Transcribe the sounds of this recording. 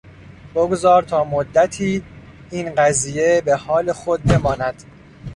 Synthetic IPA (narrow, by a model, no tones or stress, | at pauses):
b̥oɡzɒːɾt̪ʰɒːmod̪ːæt̪ʰiː | iːnɢæziːje̞behɒːle̞xo̞d̪̚be̞mɒːnæd̪̥